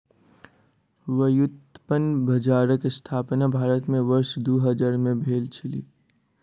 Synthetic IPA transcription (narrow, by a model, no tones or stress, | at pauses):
ʋəjʊt̪pənbʱɐd͡ʒaːɾəkɪst̪ʰaːpnabʱaːɾət̪mẽʋəɾʃd̪oːɦəd͡ʒaɾmẽbʱeːlt͡ʃʰɪlḭː